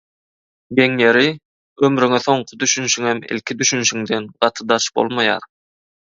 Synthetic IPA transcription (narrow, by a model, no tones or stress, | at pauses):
ɡeŋjeɾi | ømɾyŋeθo̞ɴqʰʊd̪yʃynʃyŋemḭlʲkʲʰid̪yʃynʃyŋd̪enɢ̥ɑt̪ʰɯd̪ɑt͡ʃb̥o̞̰lˠmɑjɑ̰ːɾ